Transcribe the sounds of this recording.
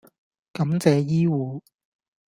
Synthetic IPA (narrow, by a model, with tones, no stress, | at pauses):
kɐ˨˥mt͡sɛː˨˧jiː˥wuː˨˧